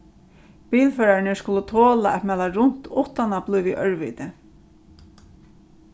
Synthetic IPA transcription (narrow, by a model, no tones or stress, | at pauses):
piːlfœːɹaɹɪnɪskʊlʊt̪ʰoːlaʔɛt̪mɛlaɾʊn̥t̪ʊht̪anaplʊjʋiʔœɹʋḭːt̪ɪ